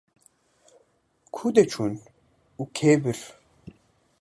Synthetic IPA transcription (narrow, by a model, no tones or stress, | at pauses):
kʰud̪et͡ʃʰun | ukʰeːbɨɾ